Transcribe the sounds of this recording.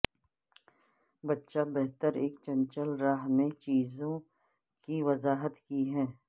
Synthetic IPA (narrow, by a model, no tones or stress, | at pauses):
bɐtːʃabɛɦt̪əɾeːkt͡ʃɐ̃nt͡ʃəlɾaːɦmẽt͡ʃiːzõ | kiʋɐzaːɦət̪kiɦɛː